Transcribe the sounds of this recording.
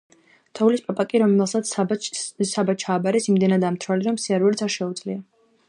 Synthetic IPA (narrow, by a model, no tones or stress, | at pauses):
t̪ʰɔulispʼapʼakʼiɾɔmɛlˠsat̪s | sabat͡ʃʰaːbaɾɛsimd̪ɛnad̪amt̪ʰɾaliɾɔmsiaɾvɛɾit̪sʰaɾʃɛud̪z̥lia